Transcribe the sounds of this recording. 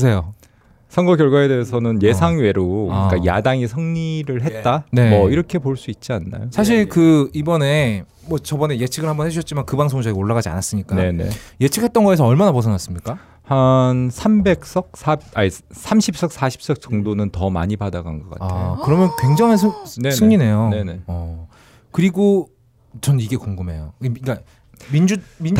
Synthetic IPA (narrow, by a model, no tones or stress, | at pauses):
sʰejo | sʰʌŋɡʌkjʌɭɡwaede̞esʰʌnɯnje̞sʰaŋɥe̞ɾok͈aja̰daŋisʰʌŋɲiɾɯɭɦe̞t̚t͈anemʌiɾʌkʰe̞poɭs͈uit̚t͡ɕ͈ianːa̰josʰaɕ̬ʰiɭkɯibʌne̞ | mwʌt͡ɕʌbʌne̞je̞t͡ɕʰiɡɯɭhambʌnheuɕʰʌt̚t͡ɕ͈imankɯbaŋs̬ʰoŋd͡ʑʌɡioɭːaɣad͡ʑia̰nas͈ɯmɲik͈ane̞ne̞̰je̞t͡ɕʰik̚ʰhet͈̚ʌnɡʌes̬ʰʌʌɭmanaposʰʌnas͈ɯmɲik͈a | hansʰambe̞k̚s͈ʌk̚s͈ʰaasʰamɕʰip̚s͈ʌk̚s͈aɕʰi̥p̚s͈ʌk̚t͡ɕ͈ʌŋdonɯntʌma̰ɲibadaɡa̰nɡʌk͈a̰taekɯɾʌmjʌnkwe̞ŋd͡ʑaŋɦes̬ʰɯesʰɯŋɲine̞joneeʌ | kɯɾiɡo | t͡ɕʌnniɡe̞koŋɡɯmɦe̞joik͈a | mid͡ʑui